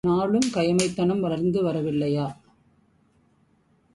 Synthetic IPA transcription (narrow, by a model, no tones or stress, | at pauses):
naːɭɯmkɐjɐmɐɪt̪ːɐɳɐmʋɐlɐɾnd̪ɯʋɐɾɐʋɪlːɐjaː